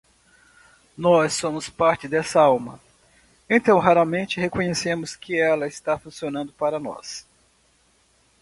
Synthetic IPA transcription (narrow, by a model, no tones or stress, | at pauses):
nɔsːõmʊspaɾt͡ʃɪd̪ɛsɐawmɐ̰ | ẽt̪ɐ̃w̃ɦaɾɐmẽnt͡ʃɪɦekõɲesẽmʊskɪɛlɐɪst̪afũsionɐ̃nd̪ʊpaɾɐnɔ̰s